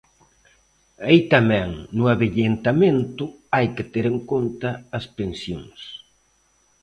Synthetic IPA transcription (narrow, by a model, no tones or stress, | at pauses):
ajt̪amɛ̃ŋnʊaβeʎent̪amẽnt̪ʊajkɪt̪eɾeŋkont̪ɐːspensjo̰ŋs